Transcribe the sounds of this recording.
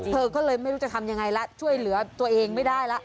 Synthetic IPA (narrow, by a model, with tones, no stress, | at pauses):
t̪ʰɤː˧kɔː˥˩lɤː˧jma˥˩jɾuː˦˥t͡ɕ̚t̪ʰa˧mja˧ŋa˧jla˦˥t͡ɕʰu˥˩əjlɯ˨˩˦ɐt̪u˧ɐʔeː˧ŋma˥˩jdaː˥˩jla˦˥ʔ